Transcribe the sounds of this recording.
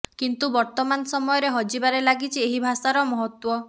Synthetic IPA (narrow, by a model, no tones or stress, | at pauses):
kint̪ubɔɾt̪ɔmanɔsɔmɔjɔɾeɦɔd͡ʒibaɾelaɡit͡ʃʰieɦibʱasaɾɔmɔɦɔt̪wɔ